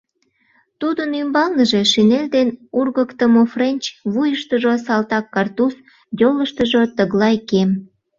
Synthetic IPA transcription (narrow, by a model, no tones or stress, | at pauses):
t̪ud̪ənymbɑlnəʒe̽ʃinelʲd̪enurɣəkt̪əmofrenʲt͡ɕβujəʃt̪əʒosɑlt̪ɑkːɑrt̪us | d̪ʲoləʃt̪əʒot̪əɣlɑjkem